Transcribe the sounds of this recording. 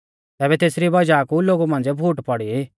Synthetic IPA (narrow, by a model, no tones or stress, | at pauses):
t̪ɛːbɛt̪eːsɾibɐd͡ʒakuloːɡumãːnd͡zɛbʱuːʈpɔɽi